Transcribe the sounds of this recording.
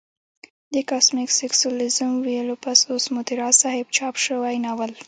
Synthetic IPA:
d̪əkɑsmɪkseksulizəmwijəlopasosmʊt̪iɾɑsɑhɪb̚t͡ʃɑpʃəwajnawəl

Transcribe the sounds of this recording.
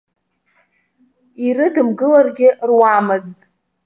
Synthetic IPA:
irɨdɨmɡɨlarɡʲɪrwamɨztʼ

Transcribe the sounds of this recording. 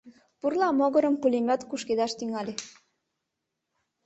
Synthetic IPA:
purlˠɑmoɣɤ̆ɾə̆mkulʲemʲot̪kuʃked̪ɑʃt̪yŋɑlʲe

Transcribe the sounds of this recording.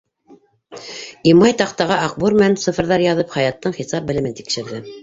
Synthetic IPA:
imɑjt̪ɑqt̪ɑʁɑɑq̚buɾmɘ̆nænsɤ̆fɤ̆ɾðɑɾjɑðɤpχæjɑt̪ːɤɴχisɑp̚bɘ̆lɘ̆mɘnt̪ikʃɘ̆ɾðɘ

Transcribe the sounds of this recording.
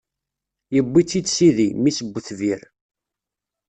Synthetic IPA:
jəbːit͡sːid̪siðimisəɡʷːθviɾ

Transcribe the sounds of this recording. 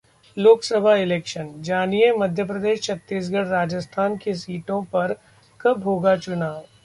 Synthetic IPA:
loːksəbʱaɪlɛːkʃənd͡ʒaːniemɐd̪ʱjəp̬ɾɐd̪eːʃt͡ʃʰɐt̪ːiːs̬ɡʱəɽɾaːd͡ʒəst̪ʰaːnkesiːʈõpɐɾ | kɐbʱɦoːɡat͡ʃʊnaːw

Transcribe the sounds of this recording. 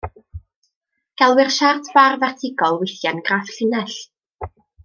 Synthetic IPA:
ɡ̥ɛlˠwɪrʃartʰv̥arvɛrtʰɪɡɔlˠwɪθjanɡraːfɬɪnɛɬ

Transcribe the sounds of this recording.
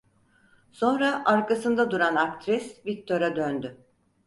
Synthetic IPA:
so̞nɾaʔaɾkasɯnd̪ad̪uɾanak̚t̪ʰɾisvik̚t̪ʰo̞ɾad̪ønd̪ʏ

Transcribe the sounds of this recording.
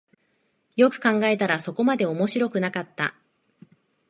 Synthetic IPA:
jo̞kɯ̟̥kãŋɡae̞t̪aɾaso̞ko̞mad̪e̞o̞mo̞ɕiɾo̞kɯ̟nakat̪ːa̰

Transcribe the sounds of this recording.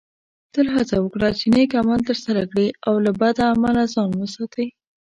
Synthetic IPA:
t̪əlɦat͡sawəkɽat͡ʃenekamalt̪əɾsaɾakɽiawlabad̪aːmalazɑnwəsɑt̪əj

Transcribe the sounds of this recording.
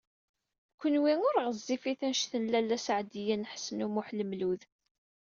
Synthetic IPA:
kʷːənwinʊɾʁəzːifiθænʃθənlælːæsʕd̪ijænħsənumʊħləmluð

